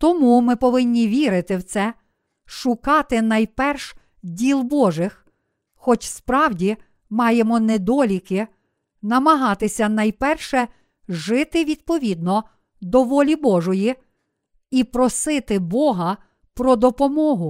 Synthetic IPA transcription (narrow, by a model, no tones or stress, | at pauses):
t̪ɔmumɪpɔʋɪnʲːiʋʲiɾɪt̪ɪwt̪sɛ | ʃʊkɑt̪ɪnɐjpɛrʃ | dʲilˠbɔʒɪx | xɔt͡ʃspɾɑwdʲi | mɑjemɔnɛd̪ɔlʲikɪ | nɐmɐɦɑt̪ɪsʲɐnɐjpɛrʃɛ | ʒɪt̪ɪʋʲid̪̥̚pɔʋʲid̪̚nɔ | d̪ɔʋɔlʲibɔʒɔji | ipɾɔsɪt̪ɪbɔɦɐ | pɾɔd̪ɔpɔmɔɦʊ